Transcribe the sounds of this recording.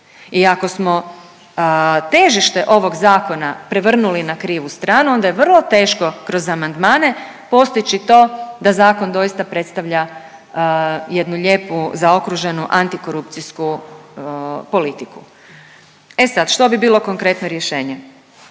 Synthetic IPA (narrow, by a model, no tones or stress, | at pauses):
iako̞smo̞ | t̪e̞ːʒiʃt̪e̞ʔo̞ʋo̞ɡzaːko̞napɾe̞ʋr̩nulinakɾiːʋust̪ɾaːnuo̞nd̪ajeʋr̩lˠo̞t̪e̞ːʃko̞kɾo̞zamand̪maːne̞ | po̞st̪it͡ʃit̪o̞ːd̪azaːko̞nd̪o̞jist̪apɾe̞t̪st̪aʋʎa | je̞d̪nuʎe̞ːpuzao̞kɾuʒe̞nuʔant̪iko̞ɾupt̪sisku | po̞lit̪iku̥ | e̞sad̪ʃt̪o̞bibiːlo̞ko̞ŋkɾe̞t̪no̞ɾje̞ʃe̞ːɲe̞